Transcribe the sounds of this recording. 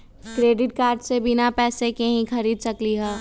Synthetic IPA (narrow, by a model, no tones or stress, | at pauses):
kɾeːɖɪʈ̚kaːɾɖsebɪnapɛːsekeɦĩxɐɾiːd̪sɐkliɦɛː